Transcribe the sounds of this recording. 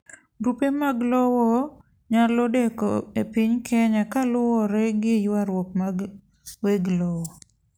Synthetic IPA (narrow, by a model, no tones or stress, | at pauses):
ɾupemaɡlɔwɔ | ɲalodekɔ̰epiɲkʰɛɲakalʊwɔɾɛɡɪjaɾwɔp̚maɡ | weɡlɔwɔ